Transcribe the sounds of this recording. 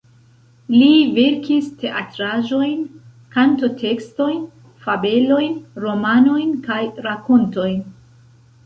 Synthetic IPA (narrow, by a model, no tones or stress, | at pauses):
live̞ɾkiste̞ʔatɾaʒo̞jn | kanto̞tʰe̞ksto̞jn | fabe̞lo̞jnɾo̞mano̞jnkajɾako̞nto̞jn